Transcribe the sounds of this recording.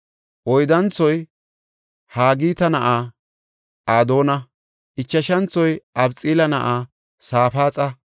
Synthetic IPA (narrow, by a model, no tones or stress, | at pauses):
ʔɔjd̪ɐnt͡sːɔj | haːɡiːt̪ɐnɐʔaː | ʔaːd̪o̞ːnɐ | ʔɪt͡ʃːɐʃɐnt͡sːɔjʔɐbt͡sʼiːlɐnɐʔaː | saːfaːt͡sʼɐ